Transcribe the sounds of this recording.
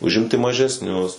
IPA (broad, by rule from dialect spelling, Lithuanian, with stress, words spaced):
ʊʒʲˈɪmʲtʲɪ mɐʒʲɛsʲˈnʲʊs